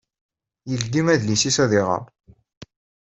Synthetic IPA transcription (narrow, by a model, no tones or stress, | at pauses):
jəld̪imæðlisisæðɪʁɑ̰